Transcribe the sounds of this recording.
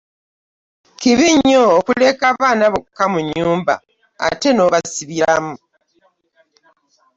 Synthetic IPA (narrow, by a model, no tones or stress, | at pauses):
kiβiɲːoːkule̞kaːβaːnaβokːamuɲːuːmba̰ | a̰te̞no̞ːβasiβiɾamu